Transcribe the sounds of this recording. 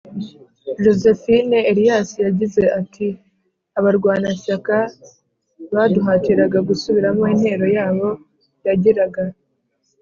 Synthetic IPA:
ʒo̞ze̞fineeɾijaːsijaɟize̞ʔatʰi | aβaɾɡwaːnasaka | βaduɦaːtiɾaɡaɡusuβiɾamoiːnhe̞ːɾo̞jaːβo̞ | jaɟiɾaɡa

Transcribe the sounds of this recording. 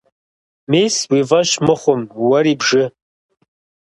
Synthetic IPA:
meswivaʃmɨχʷʊmwaɾibʐɨ

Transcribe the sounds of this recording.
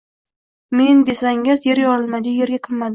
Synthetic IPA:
me̞nd̪e̞saŋɪzje̞ɾjɒɪlˠmad̪ɪje̞ɾɡʲaqʰɨlmad̪ɪ

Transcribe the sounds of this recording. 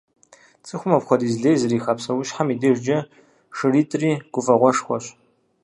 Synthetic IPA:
t͡sʼɨxʷʊmɐpχʷɔdiːzɮeːjzɨɾiːxɐpsɐwʊɕħamideʒd͡ʒɐ | ʂɨriːtʼriːɡ̥ʷʊfɐʁʷɔʂxʷɔɕ

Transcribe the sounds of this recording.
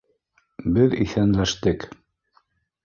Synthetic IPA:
bɘðḭθænlæʃt̪ɘk

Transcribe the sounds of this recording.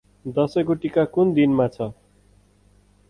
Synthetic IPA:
d̪ʌsʌkoʈikakund̪inmat͡sʰʌ

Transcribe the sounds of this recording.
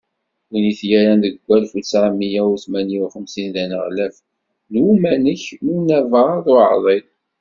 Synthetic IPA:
uniθjæɾændəɡʷːælfusʕamijæwθmæniwχəmsinðænəʁlæf | numænəçmunːævəɾˤðˤʊʕðˤe

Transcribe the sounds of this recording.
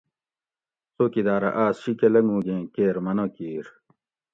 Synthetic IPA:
soːkid̪aːɾɐ̰ʔaːsɕikelɐŋɡũːɡẽːkeːɾmɐnokiːɾ

